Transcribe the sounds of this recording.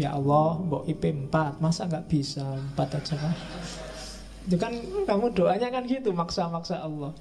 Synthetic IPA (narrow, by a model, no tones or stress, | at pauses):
jaʔɔlːɔhmbɔʔipempat̪̚masaŋɡaʔb̥isampat̪ḁd͡ʒ̥aka | d͡ʒukankamuɖ̥oʔaɲakanɡit̪umaksamaksaʔɔlːɔh